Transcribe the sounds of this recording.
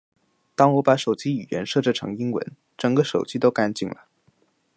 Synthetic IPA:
t̪ɑ˥ŋwɔ˧˥pa˧˥ʂo˨˩ʊt͡ɕi˥y˨˩jɛ̰˧˥nʂɤ˥˧ʈ͡ʂə˥˩ʈ͡ʂʰɤ̰˧˥ŋi˥ŋwə̰˧˥n | ʈ͡ʂɤ˨˩ŋɡə˦˧ʂo˨˩ʊt͡ɕi˥t̪o˥ʊka˥nt͡ɕi˥˩ŋlə̰˩

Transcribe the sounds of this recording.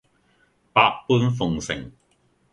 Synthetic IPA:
paː˧kpuː˥nfʊ˨ŋsɪ̰˨˩ŋ

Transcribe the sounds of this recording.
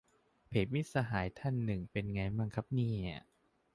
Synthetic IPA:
pʰeː˨˦t̪̚mi˦˥t̪̚sa˧ɦaː˩˦jt̪ʰa˥˩nːɯ˨˩ŋpe˧nŋa˧jma˧ŋkʰa˦˥p̚niː˥˩na̰˧˩

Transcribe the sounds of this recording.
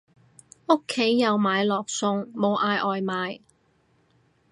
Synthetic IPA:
ʊ˥kʰːe˨˥jːɐ˨˧wmaː˨˧jlɔː˨k̚sʊ˧ŋmo˨˧wʔaː˧jʔɔː˨jmaː˨˧j

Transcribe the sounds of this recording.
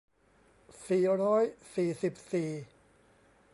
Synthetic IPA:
siː˨˩ɾɔː˦˥jsiː˨˩si˨˩p̚siː˨˩

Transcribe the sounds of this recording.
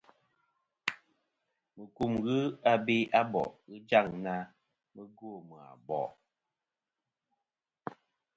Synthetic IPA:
mə˨ku˦˨mɣɨ˦a˦bi˦ʔa˦bɔ̰˨ʔɣɨ˦d͡ʒa˦˨ŋna˦ | mə˦ɡo˦˨mə˨a̰˨bɔ̰˨

